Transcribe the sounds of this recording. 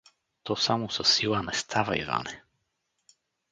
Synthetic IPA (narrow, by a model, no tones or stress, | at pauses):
t̪ɔsamusɔsilˠanɛst̪ʰavaḭva̰nɛ